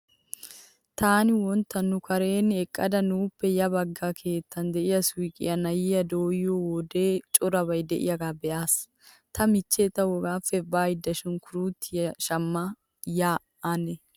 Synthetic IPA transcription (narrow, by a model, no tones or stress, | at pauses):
t̪aːnɪwɔnt̪ːɐnːʊkʰɐɾe̞ːnːɪɛkʼːɐd̪ɐnuːpːɛjɐbɐɡːakʰe̞ːt̪ʰːɐnd̪ɛʔɪjɐswiːkʼɪ̰jɐnɐjɪjɐd̪oːjowɔd̪e̞ːt͡ʃʼʊɾɐbɐjd̪ɛʔɪ̰jɐɡaːbɛʔaːs | t̪ʰɐmɪt͡ʃːeːt̪ːɐwɔɡaːfɛbaːjɪd̪ːɐʃɪnkʰʊɾuːt̪ːɪjɐʃɐmːa | jaː | anɛ